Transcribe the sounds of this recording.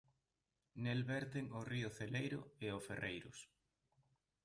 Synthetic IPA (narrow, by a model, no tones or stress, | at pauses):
nelβɛɾt̪eŋʊriʊθelejɾʊ̰eoferʔejɾʊ̰s